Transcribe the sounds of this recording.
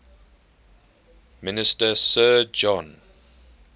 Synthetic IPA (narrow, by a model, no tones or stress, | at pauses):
mɪnɪstəsɜːd͡ʒɔ̃n